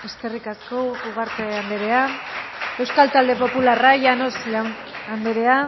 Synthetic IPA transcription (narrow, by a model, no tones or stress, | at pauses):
eske̞rikaskouɣaɾt̪eand̪eɾe̞a | e̞wskalt̪ald̪e̞po̞pularajano̞slawn | and̪eɾe̞a